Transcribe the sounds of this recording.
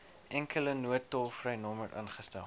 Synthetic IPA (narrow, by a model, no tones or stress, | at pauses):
ʔɛŋkələnuətːɔlˠfrɛjnɔmvətɑ̰ːnχəstɛlˠ